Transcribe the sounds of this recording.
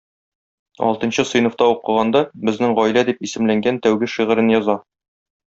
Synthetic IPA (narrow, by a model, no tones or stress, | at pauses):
ɒ̰lˠt̪ɤ̆nɕɤsŏjnŏft̪ɑuqɤ̆ʁɑnd̪ɑbɘ̆znɘŋʁɒjlæd̪ipisɘ̆mlæŋɡænt̪æwɡɘʃiʁɘ̆ɾɘnjɒzɑ